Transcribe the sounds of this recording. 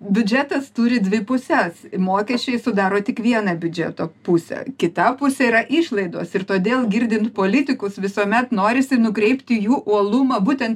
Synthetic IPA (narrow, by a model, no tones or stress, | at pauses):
bʲʊd͡ʒʲæt̪ɐst̪uːɾʲɪd̪ʲʋʲɪpʊsʲɛsmoːkʲɛsʲt͡ʃʲɛɪsʊd̪ɑːɾoːt̪ʲɪkʋʲiɛnɐbʲʊd͡ʒʲɛ̰t̪oːpʊsʲɛ̰kʲɪt̪ɐpʊsʲɛiɾɐʔɪʃlˠɐɪd̪oːsɪrt̪oːd̪ʲeːlˠɡʲɪɾʲd̪ʲɪnt̪poːlʲɪt̪ʲɪkʊsʋʲɪsoːmʲɛt̪noːɾʲɪsʲɪnʊkɾʲɛɪpʲt̪ʲɪjuːʔuɔlˠʊmɐbuːt̪ʲɛnt̪